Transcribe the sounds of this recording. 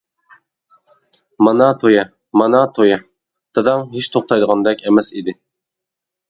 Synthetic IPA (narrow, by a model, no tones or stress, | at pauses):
mɑnɑt̪ʰojɛ | mɑnɑt̪ʰojɑ | d̪̥ɨd̪ɑŋɦiʃt̪ʰoχt̪ʰɑjd̪əʁɑnd̪ɛkʲɛmɛsid̪ɪ